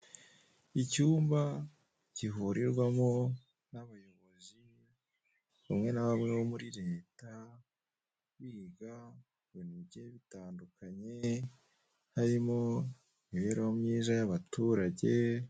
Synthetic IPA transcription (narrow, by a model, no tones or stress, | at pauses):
icuːmba | ciɦuɾiɾɡwamo | naβajo̞βo̞zi | βamŋe̞naβamŋeβomuɾiɾe̞ːta | βiɡa | βoniβɟeβitaːndukaɲe̞ | haɾimo̞ | iβeɾawomɲiːzajaβatuːɾaɟe̞